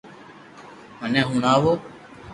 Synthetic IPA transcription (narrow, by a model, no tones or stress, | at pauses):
ɦənẽːɦũːnaːʋoː